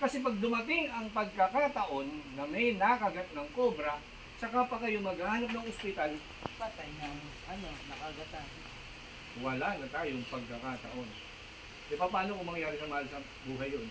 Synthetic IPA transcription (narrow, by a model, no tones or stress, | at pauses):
kɐsɛpɐɡ̚d̪ʊmɐt̪ɪŋɐŋpɐɡ̚kɐkat̪ɐʔo̞nːɐmɛjnakɐɡɐt̪̚nɐŋkobɾɐ | sɐkapɐkɐjoŋmɐɡahaːnɐp̬̚nɐŋʔospɪt̪al | pɐt̪ajnɐŋ | ʔɐnonɐkɐɡɐt̪an | wɐlanɐt̪aːjoŋpɐɡ̚kɐkat̪ɐ̰ʔo̞n | ʔɛpɐpaːnokomɐŋjaːɾɪsɐmɐhalsɐ | buːɦɐjːon